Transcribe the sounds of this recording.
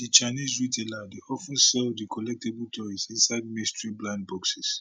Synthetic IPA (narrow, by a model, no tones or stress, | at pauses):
dit͡ʃanizɹitʰeladeʔɔfə̃nsɛldikʰɔlɛk̚tebəltʰɔisĩnsaɪd̚mĩstɹiblãnd̚bɔksis